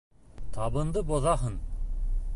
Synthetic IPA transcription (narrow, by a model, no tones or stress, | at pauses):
t̪ʰɑbɤ̆nd̪əboðɑɦən